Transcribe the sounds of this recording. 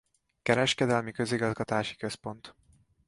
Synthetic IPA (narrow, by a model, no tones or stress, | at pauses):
kɛɾɛʃkɛd̪ɛlmikøziɡɒzɡɒt̪aːʃi̥køspo̞nt̪